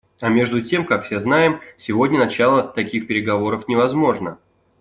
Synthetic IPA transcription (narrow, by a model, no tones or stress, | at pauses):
ɐmʲe̞ʐd̪ʊtʲe̞mkakfsʲe̞znajɪmsʲɪvo̞dʲnʲənɐt͡ɕalˠət̪ɐkʲixpʲɪɾʲɪɡɐvo̞ɾəfnʲɪvɐzmo̞ʐnə